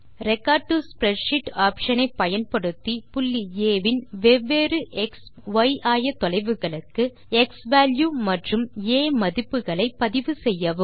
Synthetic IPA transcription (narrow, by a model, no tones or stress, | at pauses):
ɾɛkːaːʈuspɾɛʂɪʈaːpʂɐnɐɪpːɐjɐnpɐɽɯt̪ːipʊlːieːʋɪnʋɛʋːeːɾɯʔɛks | ʋɐjʔaːjɐt̪ːɔlɐɪʋɯɣɐɭɯkːɯ | ɛksʋaːljuːmɐʈrɯmeːmɐðɪpːɯɣɐɭɐɪpːɐðɪʋɯsɛjːɐʋɯ